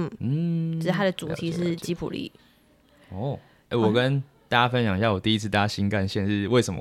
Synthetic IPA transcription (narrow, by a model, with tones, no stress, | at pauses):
n̩˥˩n̩˥˩˥t̪ʰa˥d̪ə˨t͡su˨˩tʰi˧˦ʂɻ̩˥˩t͡ɕi˥pʰṵ˨˩lḭ˥˨˩ | ɔ˥˩ | e˥˩wwɔ˨˩kə˦nt̪a˥˩t͡ɕja˥fə˦nɕjɑ˨˦ŋjɑ˥˩jo˨˩t̪i˥˧i˦t͡sʰɨ˥˧a˥˩ja˦ɕi˦nka˥˨nɕjɛ˥˧nʂɻ̩˥˩we˥˩ɪʂə˨˩mə̰˦